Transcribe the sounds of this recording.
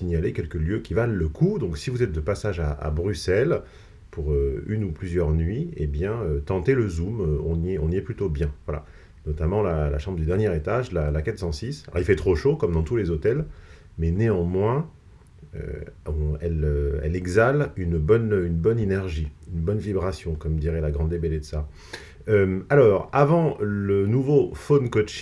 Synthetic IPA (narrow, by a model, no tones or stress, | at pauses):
siɲjalekʲɛlkəljøkʲivalːəkʰud̪ɔ̃ksivuzɛt̪̚d̪əpasaʒaa̰bʁysɛl | puʁøynuplyzjœʁnɥiḛbjɛ̃øt̪ɑ̃t̪eləzumøɔ̃niɛɔ̃niɛplyt̪objɛ̃vwala̰ | nɔt̪amɑ̃lala̰ʃɑ̃bʁəd̪yd̪ɛʁnjɛʁet̪aʒlalakɛt̪sɑ̃sisɔ̰ʁilfɛt̪χoʃokɔmd̪ɑ̃t̪ulezot̪ɛl | mɛneɑ̃mwɛ̃ | ø̰ɔ̃ɛløɛ̰lɛɡzalynbɔnynbɔnenɛʁʒiynbɔnvibʁasjɔ̃kɔmd̪iʁɛlaɡʁɑ̃ebeled̪sa | øalɔːʁavɑ̃lənuvofonkɔt͡ʃ